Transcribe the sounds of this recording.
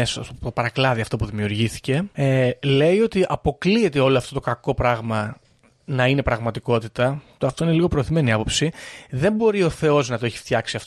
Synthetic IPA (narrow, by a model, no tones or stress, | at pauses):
est̪ot̪opɐɾɐklɐðiɐft̪o̞puðimiuɾʝiθi̥ce̞ele̞io̞t̪iʔɐpo̞klie̞t̪e̞o̞loɐft̪o̞t̪o̞kɐko̞pɾɐɣmɐ | nɐine̞pɾɐɣmɐt̪iko̞t̪it̪ɐt̪ɐft̪o̞ine̞liɣo̞pɾoːθime̞niɐpo̞psiðe̞mbo̞ɾio̞θe̞o̞znɐt̪o̞eçi̥ft̪çɐksiɐft̪o